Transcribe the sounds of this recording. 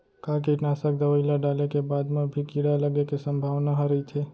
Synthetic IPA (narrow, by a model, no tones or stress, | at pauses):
kãk̬iʈnasək̚d̪əʋəilaɖalekebad̪mãbʱikiɽaləɡekesəmbʱaʋnaɦəɾəit͡ʃʰe